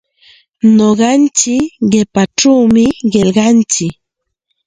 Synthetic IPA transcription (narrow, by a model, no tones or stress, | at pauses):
noɢɑnt͡ʃɪkɢepaʈ͡ʂawmɪɢelɢɑnt͡ʃɪk